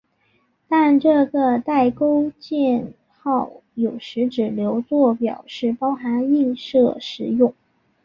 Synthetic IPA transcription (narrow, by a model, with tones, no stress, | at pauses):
t̪a˥˧nʈ͡ʂɤ˥˩ɡə˩t̪a˥˩ɪko˥ʊt͡ɕjɛ˥˩˧n | xɑ˥˩ʊjo˨˩ʊʂɻ̩˧˥ʈ͡ʂɻ̩˨˩ljo˧˥ʊt͡swɔ˥˩pjɑ̰˨˩ʊʂɻ̩˥˩pɑ˥ʊxa˧˥ni˥˧nʂɤ˥˩ʂɻ̩˨˩jʊ˥˩ŋ